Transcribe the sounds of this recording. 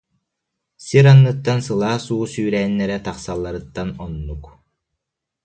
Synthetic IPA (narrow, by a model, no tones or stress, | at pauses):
siɾanːɯt̪ːansɯlˠaːsuːsyːɾɛːnːɛɾɛt̪aχsalˠːaɾɯt̪ːanɔnːuk